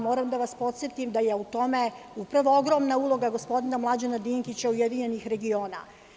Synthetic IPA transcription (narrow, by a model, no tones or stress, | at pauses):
mo̞ːɾamd̪aʋaspo̞t̪sjet̪imd̪ajeut̪o̞me̞ | upɾaʋooɡɾo̞mnaulˠo̞ɡaɡo̞spo̞d̪inamlˠad͡ʑenad̪iŋkit͡ɕaujed̪iɲe̞nixɾe̞ɡio̞ːna̰